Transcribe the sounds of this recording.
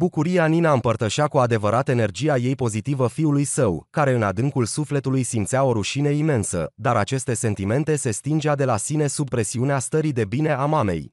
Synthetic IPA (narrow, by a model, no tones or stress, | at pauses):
bukuɾijaninaɨmpərt̪əʃakuad̪e̞vəɾat̪əe̞ne̞rd͡ʒijaje̞jpo̞zit̪ivəfiulujsəwkaɾe̞ɨnad̪ɨŋkulsufle̞t̪ulujsimt̪sʲao̞ɾuʃineime̞nsə̰d̪aɾat͡ʃe̞st̪e̞se̞nt̪ime̞nt̪e̞se̞st̪ind͡ʒead̪e̞lasine̞sub̚pːɾe̞siuneast̪əɾid̪e̞bine̞amame̞̰j